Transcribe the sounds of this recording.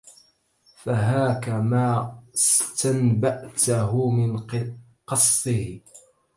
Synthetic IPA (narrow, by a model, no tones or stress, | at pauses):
faɦaːkamaːɪst̪anbaʔt̪aɦʊmɪn | qɑsˤːɪh